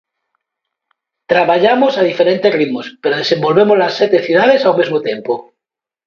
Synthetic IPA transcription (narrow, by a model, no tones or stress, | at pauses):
t̪ɾaβaʎamosað̞ifeɾe̞nt̪e̞zrimospeɾoð̞esẽ̞mbo̞lβemozlasːjet̪eθjuð̞aðesawmezmot̪jempo